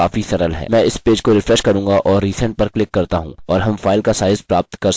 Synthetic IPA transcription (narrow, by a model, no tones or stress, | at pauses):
aːfisɐɾəlɦɛ̰ːmɛ̃ːɪspeːd͡ʒkoɾɪfɾɛʃkɐɾũːŋɡaʔɔːɾːiːsɛ̃ːɳʈ̚pɐɾklɪkːɐɾt̪aɦṵ̃ːɔːɾɦɐmfaːɪlkasaːɪzpɾaːp̚t̪kɐɾ